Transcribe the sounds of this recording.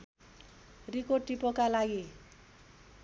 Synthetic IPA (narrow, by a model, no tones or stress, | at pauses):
rikoʈipokalaɡi